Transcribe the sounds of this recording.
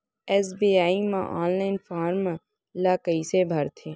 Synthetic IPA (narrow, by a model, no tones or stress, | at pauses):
ɛːsbiːaːimã̰ʔa̰ːnlaːɪnfaːɾmã | laːkəisebʱɐɾt̪ʰeː